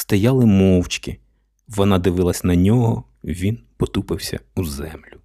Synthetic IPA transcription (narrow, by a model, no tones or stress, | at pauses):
st̪ɐjɑlˠɪmɔwt͡ʃkʲɪ | ʋɔnɑd̪ɪʋɪlˠɐsʲnɐnʲɔɦɔ | ʋʲinpɔt̪upɪwsʲɐ̰uzɛmlʲʊ